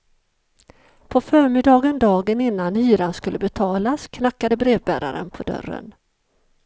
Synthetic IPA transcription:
pʰɔfœːɾmɪd̪ɑːɡənd̪ɑːɡənɪnːanhyːɾanskɵlːəbɛt̪ʰɑːlaskʰnakːad̪əbɾeːvbæːɾa̰ɾə̰npʰɔd̪œ̰rːə̰n

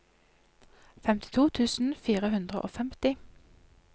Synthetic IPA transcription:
fɛmt̪ʰɪ̥t̪ʰuːt̪ʰʉːsn̩fiːʁəhʉnd̪ʁə̰ʔo̰ːfɛmt̪ɪ

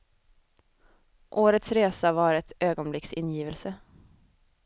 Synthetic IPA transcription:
ʔoːɾət̪sɾeːsavaɾɛt̪øːɡɔnblɪksɪnːjiːvəlsə

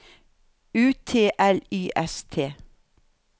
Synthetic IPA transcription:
ʉːt̪ʰeːʔɛlyːʔɛst̪ʰeː

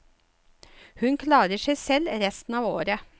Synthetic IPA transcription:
hʉnkʰlɑːɾəʂɛɪsɛlɾɛst̪n̩ɑːʋo̰ːɾə

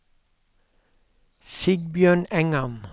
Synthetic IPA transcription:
sɪɡbjøːɳɛŋɑn

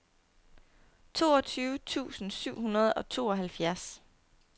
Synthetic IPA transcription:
t͡sʰo̝̰ːɒ̽t͡sʰyːʊt͡sʰṵːsn̩syʊ̰ɦunɐð̞̩ˠɒ̽t͡sʰo̝ːɒ̽ɦælfjæɐs

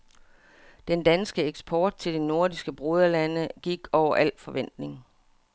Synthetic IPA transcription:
d̥end̥ænsɡ̥əeɡ̥sb̥ʰɒːd̥̚t͡sʰe̝ld̥eno̝ɐdisɡ̥əb̥ʁoð̞ˠɐlænəɡ̥iɡ̥ɒʊ̰ɐʔæl̰fɒ̽ʋen̰d̥ne̝ŋ

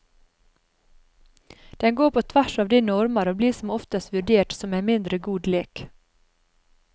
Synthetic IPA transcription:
d̪̥ɛnɡoːpʰoːt̪ʰʋæʃɑːʋd̪iːnɔɾmɑɾoːbliːsɔmɔft̪əst̪ʋʉɖeːʈsɔmeːnmɪnd̪ɾəɡuːd̪leːk

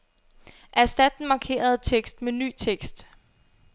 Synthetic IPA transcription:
ʔæsd̥æd̥n̩mɑ̈kʰe̝̰ːɐð̞̩ˠt͡sʰeɡ̥sd̥meny̰ːt͡sʰeɡ̥sd̥

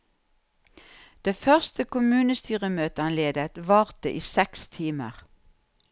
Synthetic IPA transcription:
d̪̥eːfœʁst̪əkʊmʉːnəst̪yːʁəmøːt̪əɑnleːd̪ət̪ʋɑːʁt̪əʔiːsɛkst̪ʰiːmə̰ʁ

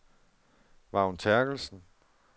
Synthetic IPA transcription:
ʋɑ̈unt͡sʰæɐɡ̥l̩sn̩

